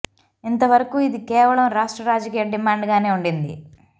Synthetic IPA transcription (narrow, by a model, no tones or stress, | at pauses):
int̪ɐʋɐɾɐkuːid̪ikɛːʋɐɭɐmɾaːʂʈɾɐɾaːd͡ʒɐkiːjɐɖimaːɳɖɡaːneːuɳɖind̪ḭ